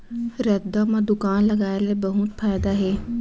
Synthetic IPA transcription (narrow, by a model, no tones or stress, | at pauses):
ɾɛd̪aːmãd̪ʊkaːnləɡaːelebəɦʊt̪pʰaːjd̪aːɦɛː